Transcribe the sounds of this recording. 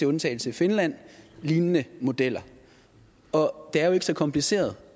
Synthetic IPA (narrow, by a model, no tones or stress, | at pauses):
e̝ɔ̽nt͡sʰɛ̰ːɪl̩səfe̝nlæn̰liːnənəmo̝d̥el̰ɐ | ɒ̽d̥e̝æɐjo̝e̝ɡ̥əsɒ̽kʰɒ̽mpʰlise̝̰ːɐð̞ˠ